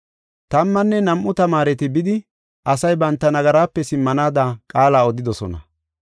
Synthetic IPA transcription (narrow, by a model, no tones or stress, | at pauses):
t̪ɐmːɐnːɛnɐmʔʊt̪ɐmaːɾɛt̪ɪbɪd̪ɪ | ʔɐsɐjbɐnt̪ːɐnɐɡɐɾaːpːɛsɪmːɐnaːd̪akʼaːlaːɔd̪ɪd̪ɔsɔ̰nɐ̰